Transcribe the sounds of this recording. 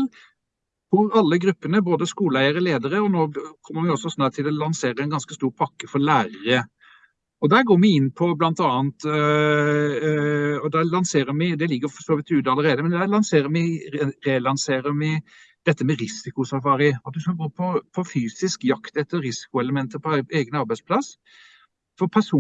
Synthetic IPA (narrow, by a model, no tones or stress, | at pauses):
hʊɾɑlːəɡɾʉpːənəboːd̪əskuːləæɪəɾəleːd̪əɾəɔnoːkʰɔmːəɾmɪɔsɔsnɑd̪t̪ʰɪlɔlɑnseːɾəɛɪnɡɑnskəst̪uːɾpʰɑkːəfɔɾlæːɾəɾə | ɔd̪æːɾɡoːmɪɪnːpʰɔblɑnt̪ɑːənt̪ | ɔd̪ɛlɑnseːɾəɾmɪd̪ɛlɪɡːəɾfɔʂoːʋɪt̪ʉːd̪ɑləɾeːd̪əmɛnd̪æɾlɑnseːɾəɾmɪɾelɑnseːɾəɾmɪ | d̪̥ɛt̪ːəmɛɾɪsɪkʊsɑfɑːɾɪɑt̪̚d̪ʉskɑlɡoːpʰɔpʰɔfyːsɪskjɑkt̪ɛt̪ːəɾɾɪsɪ̥kʊɛləmɛnt̪əɾpʰɔeːɡənɑɾbæɪspʰlɑs | fɔɾpʰæʂuː